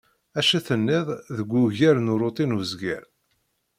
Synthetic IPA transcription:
æʃæθənːɪðˤðəɡʷːʊʝæɾnuɾˤot̪ˤinuzɡæ̰ɾ

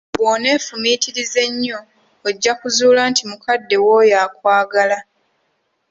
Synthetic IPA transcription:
βwoːne̞ːfumiːtiɾize̞ɲːoː | ɟːakuzuːlantimukadːe̞woːjaːkwaːɡala

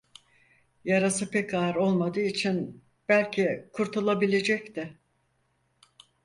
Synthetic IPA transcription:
jaɾasɯpʰɛcaɾo̞lˠmad̪ɯːit͡ʃʰin | b̥ælʲcʰikʰuɾt̪ʰulˠabilʲe̞d͡ʒɛct̪ʰɪ

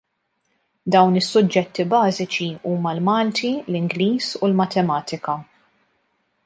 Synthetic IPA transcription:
d̪ɐwnɪsːʊd͡ʒːɛt̪ːibɐːzɪt͡ʃiuːmɐlmɐːlt̪ilɪŋɡliːsulmɐt̪ɛmɐːt̪ɪkɐ

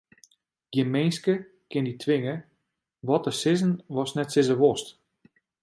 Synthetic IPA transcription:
ɡjəmejnskə | kɪnditʰʋɪŋə | ʋɔtəsɪzənʋɔsnɛtsɪzəʋɔst

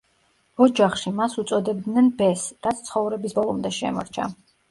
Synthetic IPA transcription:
ɔd͡ʒaχʃimasut̪sʼɔd̪ɛb̚d̪nɛnbɛsɾat̪sʰt̪sʰχɔvɾɛbisbɔlˠɔmd̪ɛʃɛ̰mɔ̰ɾt͡ʃʰa̰

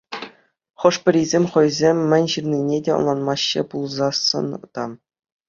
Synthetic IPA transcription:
χɤ̆ʂpʲɘ̆ɾʲizʲemʲχɤ̆jzʲemʲːɘ̆nʲʑɯrnʲinʲedʲeɤ̰̆nlˠɑnmɑɕːḛpulˠzɑsɤ̰̆nɤ̆t̪ɑ

